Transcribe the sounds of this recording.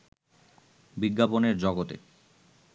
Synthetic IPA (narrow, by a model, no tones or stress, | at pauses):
biɡːaponeɾd͡ʑɔɡot̪ḛ